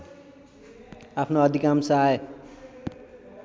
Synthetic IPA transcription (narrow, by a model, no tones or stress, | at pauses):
apʰnoʌd̪ʱikamsae